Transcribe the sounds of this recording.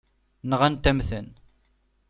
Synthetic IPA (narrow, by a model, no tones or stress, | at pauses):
nəʁænt̪æmθən